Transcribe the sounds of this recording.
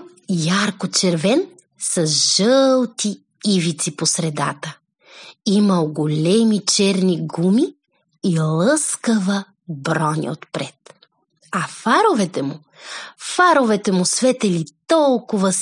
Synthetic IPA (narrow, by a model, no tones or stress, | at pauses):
jaɾkot͡ʃɛɾvɛn | sɐʒəlˠt̪i | ivit̪siposɾɛd̪at̪ə | imɐlˠɡolɛmit͡ʃɛɾniɡumiː | lˠɤskəvə | bɾɔnʲḭot̪pɾɛt̪ | ɐfaɾovɛt̪ɛmu | faɾovɛt̪ɛmusvɛt̪ɛlit̪ɔlˠkʊvəs